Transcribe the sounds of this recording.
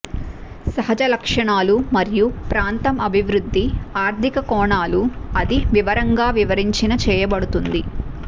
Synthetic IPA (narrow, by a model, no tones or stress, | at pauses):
sɐɦɐd͡ʒɐlɐkʂɐɳaːlumɐɾijupɾaːnt̪ɐmɐbʱiʋɾud̪ʱːiaːɾt̪ʰikɐkɔːɳaːluɐd̪iʋiʋɐɾɐŋɡaːʋiʋɐɾiɲt͡ʃinɐt͡ʃɛːjɐbɐɽut̪und̪i